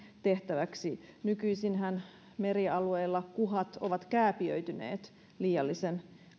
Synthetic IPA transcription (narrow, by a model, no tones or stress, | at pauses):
t̪e̞ht̪æʋæksinykyisinɦæn | meɾiɑlueːlːɑkuɦɑt̪oʋɑt̪kæːpiø̰yt̪ynḛːt̪ | liːjɑlːisen